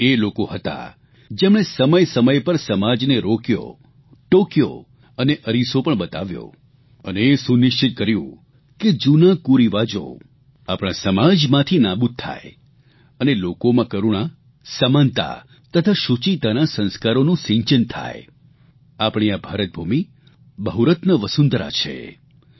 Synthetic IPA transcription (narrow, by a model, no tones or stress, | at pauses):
elokoɦət̪a̰ | d͡ʒemɳ̃esəməjsəməjpəɾsəmad͡ʒneɾokjo̰ | ʈokjo̰ | əneʔəɾisopəɳɓət̪a̰ʋjo̰ | əneːsunɪʃt͡ʃɪt̪̚kəɾjṵ̃ | ked͡ʒunakuɾiʋad͡ʒo̰ | apɽ̃ãsəmad͡ʒmãt̪ʰinabut̪̚t̪ʰːa̰j | ənelokomãkəɾuɽ̃a | səmant̪a̰ | t̪ət̪ʰaʃut͡ʃit̪anasə̃nskaɾonũsĩɲt͡ʃənt̪ʰa̰je | apɽ̃iabʱaɾət̪̚bʱumi | bəɦuɾət̪nəʋəsund̪ɾa̰t͡ʃʰḛ